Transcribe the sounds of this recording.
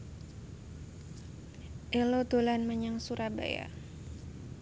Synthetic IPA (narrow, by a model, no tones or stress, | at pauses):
ʔɛlod̪̥olanməɲaŋsuɾaba̰ja̰